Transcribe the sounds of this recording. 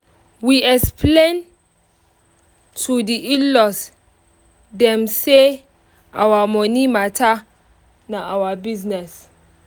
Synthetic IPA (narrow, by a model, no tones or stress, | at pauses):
wiɛkspʰlẽn | tʰudiʔilɔs | dɛ̃mse | ʔa̰wamɔnimatʰa | naawabiznɛs